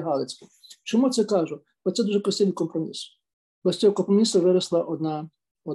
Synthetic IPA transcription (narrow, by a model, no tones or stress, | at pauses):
ɦɑlˠet͡sʲɪt͡ʃɔmut̪sɛkɑʒʊ | lɔt̪sɛd̪uʒɛpɾɔsʲt̪ɛʋʲikɔmpɾɔmʲḭs | b̥ɐsʲtʲɔɔkɔmpɾɔmʲisɐʋɪɾɐslˠɐʔɔd̪nɑ | ɔ